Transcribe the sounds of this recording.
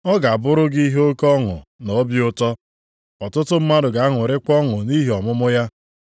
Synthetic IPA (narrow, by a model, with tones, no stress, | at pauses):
ɔ˦ɡa˨a˨bʊ˦ɾʊ˦ɡi˦ɦe˦o˦kɔ˦ŋʊ̰˨no˨˦bjʊ˦tɔ˦ | ɔ˨tʊ˦tʊ˦m̩˦ma˦dʊ˨ɡa˨a˦ŋʊ˨ɾɪ˦kɔ˦ŋʊ˨ni˦ɦi˨ɔ˨mʊ˦mʊ˦ja˦